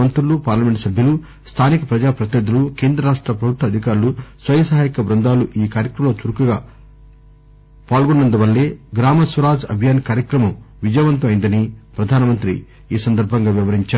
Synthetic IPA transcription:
ɐnt̪ɾulupaːɾlɐmeɳʈsɐbʱjɐlu | st̪ʰaːnikɐpɾɐd͡ʒaːpɾɐt̪inɐd̪uluke̞ːnd̪ɾɐɾaːʂʈɾɐpɾɐbʱut̪ːɐd̪ʱikaːɾlusʋɐjɐsɐɦaːjikɐbɾɐnd̪aːluʔiːkaːɾjɐkɾɐmɐloːt͡ʃ̪uɾukuɡaː | paːlɡunːɐnd̪ɐʋɐlːeːɡɾaːmɐsʋɐɾaːd͡ʒɐ̰bʱjaːnkaːɾjɐkɾɐmɐm | ʋid͡ʒɐjʋɐnt̪ɐmɐjnd̪ɐnipɾɐd̪ʱaːnɐmɐnt̪ɾḭ | iːsɐnd̪ɐɾbʱɐŋɡaːʋiʋɐɾiɲt͡ʃaː

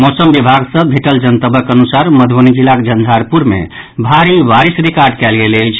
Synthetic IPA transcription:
mosəmbibʱaɡsə̃bʱeʈəld͡ʒənt̪əbʱəkənusaɾməd̪ʱbənid͡ʒilakd͡ʒənd̪ʱaɾpuɾmḛ | bʱaɾiʋaɾisɾikaɾɖkɛlɡeləjt͡ʃʰ

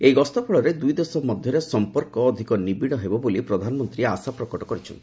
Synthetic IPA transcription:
ejɡɔst̪ɔpʰɔɭɔɾed̪ujd̪esɔmɔd̪ʱjɔɾesɔmpɔɾkɔːd̪ʱikɔnibiɽ̃ɔɦebɔbolipɾɔd̪ʱanɔmɔnt̪ɾiasapɾɔkɔʈɔkɔɾit͡ʃʰɔ̰n

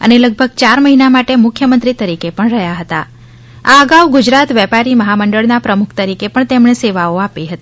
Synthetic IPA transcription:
ə̰neləɡ̚bʱəɡ̚t͡ʃaɾməɦinamaʈemʊkʰjəmənt̪ɾit̪əɾikepəɳɾəɦjaɦət̪a̰ | a̰əɡaʋɡʊd͡ʒɾat̪ʋɛpaɾiməɦaməɳɖəɭnapɾəmukʰt̪əɾikepəɳt̪emɳeseʋaoapiɦət̪i

